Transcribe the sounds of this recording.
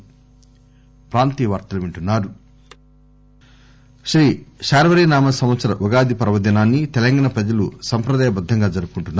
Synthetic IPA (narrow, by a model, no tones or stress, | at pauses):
pɾaːnt̪iʋaːɾt̪ɐlɐʋiɳʈunːaːɾu | ʃɾiːʃaːɾɐʋɐɾinaːmɐsɐmʋɐt̪sɐɾɐʋɐɡaːd̪ipɐɾɐʋɐd̪ɐnaːnːit̪ɛlɐŋɡaːɳɐpɾɐd͡ʒɐlusɐmpɾɐd̪aːjɐbɐd̪ʱːɐŋɡaːd͡ʒɐɾupukuɳʈunːa